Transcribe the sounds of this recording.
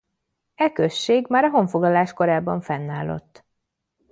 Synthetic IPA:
ɛkøʃːeːɡmaːɾɒɦo̞ɱfo̞ɡlɒlaːʃko̞ɾaːbɒɱfɛnːaːlːo̞̰t̪ː

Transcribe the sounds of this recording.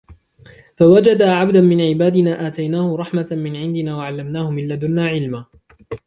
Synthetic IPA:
fawad͡ʒad̪aːʕabd̪anmɪnʕɪbaːd̪ɪnaːʔaːt̪ajnaːhʊɾˤɑħmamɪnʕɪnd̪ɪnaːwaʕalːamnaːhʊmɪlːad̪ʊnaːʕɪlmaː

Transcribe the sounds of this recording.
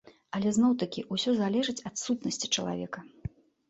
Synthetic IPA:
ɐlʲɛznɔwt̪ɐkʲiʔusʲɔzalʲɛʐɨt͡sʲɐt̪sut̪nɐsʲt͡sʲi̥t͡ʂɐlˠa̰vʲɛ̰kɐ

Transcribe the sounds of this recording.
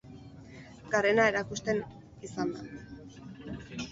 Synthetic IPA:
ɡare̞nae̞ɾakust̪e̞n | isand̪a

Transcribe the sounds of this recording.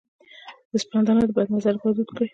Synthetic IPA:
d̪̥əspand̪ɑnod̪əbajd̪nazaɾbad̪ud̪kəi

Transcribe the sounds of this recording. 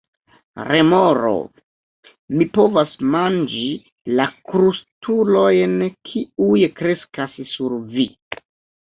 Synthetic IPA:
ɾemo̞ɾo̰ | mipo̞vasmand͡ʒi | lakɾustʰulo̞jnkʰiujkɾe̞skassuɾvi

